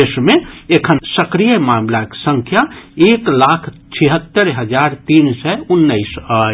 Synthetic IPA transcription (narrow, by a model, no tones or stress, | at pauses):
esmẽekʰənsəkɾijəmaːmlake̥sə̃ŋkʰjaeːklaːkʰt͡ʃʰiɦət̪ːəɾɦəd͡ʒaɾt̪iːnsɛunːəisə